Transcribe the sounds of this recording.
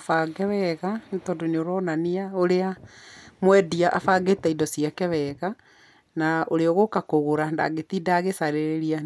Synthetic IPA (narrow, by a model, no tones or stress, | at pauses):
faɡɛβɛɣantɔdoneoɾɔnaniaoɾeamwɛdiaʔafaɡetaidɔsiakɛβɛɣa | naoɾeɔɣokakoɣoɾanda̰ɣetidaːɣesaɾeɾeɾia